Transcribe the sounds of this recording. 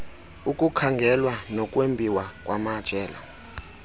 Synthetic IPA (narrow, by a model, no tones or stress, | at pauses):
ukʼukʰaŋɡʱɛlwanɔkʼwembʱiwakʼwamad̥t͡ʃʼɛːla̰